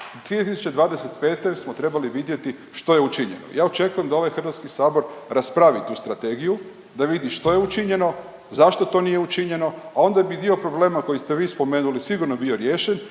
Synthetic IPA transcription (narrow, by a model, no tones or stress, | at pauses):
d̪ʋiet̪isut͡ʃe̞d̪ʋaːd̪eset̪pe̞ːt̪e̞smot̪ɾe̞baliʋid̪je̞t̪i | ʃt̪o̞je̞ut͡ʃiɲḛno̰jaːo̞t͡ʃe̞kujemd̪ao̞ʋajxr̩ʋat̪skisaːbo̞ɾɾaspɾaʋit̪uːst̪ɾat̪e̞ɡiju | d̪aʋid̪iʃt̪o̞je̞ut͡ʃiɲe̞no̞ | zaʃt̪ot̪o̞nijeut͡ʃiɲe̞no̞ao̞nd̪abid̪io̞pɾo̞ble̞ːmako̞jist̪eʋiːspo̞me̞ːnulisiɡuɾnobio̞ɾjeːʃen